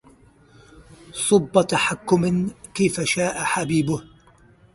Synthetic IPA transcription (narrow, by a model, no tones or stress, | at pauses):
sˤʊbːɑt̪aħakːʊmkajfaʃaːʔaħabiːbʊh